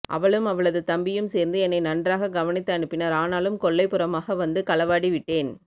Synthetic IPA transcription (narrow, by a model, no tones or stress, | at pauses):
ʔɐ̰ʋɐɭɯmɐʋɐɭɐðɯt̪ɐmbɪjɯmseːɾnd̪ɯɛnːɐɪnɐndraːɣɐɡɐʋɐnɪt̪ːɐɐɳɯpːɪnɐɾaːnaːlɯmkɔɭːɐɪpːɯɾɐmaːɣɐʋɐnd̪ɯkɐlɐʋaːɽiʋɪʈːeːn